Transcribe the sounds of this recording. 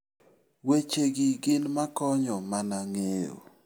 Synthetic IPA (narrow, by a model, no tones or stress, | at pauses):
wet͡ʃeɡɪɡɪnmakɔɲɔmanaŋeo̰